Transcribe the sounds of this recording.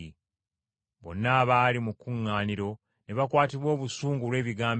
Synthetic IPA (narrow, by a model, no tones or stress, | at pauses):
i | βo̞̰nːaːβaːlimukːuŋːaːniɾo̞ | neβakwaːtiβwo̞ːβusuːŋɡulwe̞ːβiɡaːmb